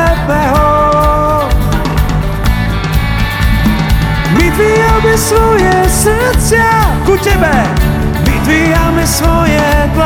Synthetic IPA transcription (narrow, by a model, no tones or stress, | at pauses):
pɛɦo | mɪt̪viɦamɪsvɔjɛs | t͡sakut̪ɛbɛ | mɪt̪vi | amɪsvojɛk̪l